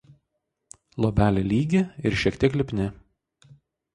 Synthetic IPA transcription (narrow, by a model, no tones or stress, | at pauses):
lˠɔbʲæːlʲelʲiːɡʲɪɪɾʃʲɛkt̪ʲiɛklʲɪpʲnʲɪ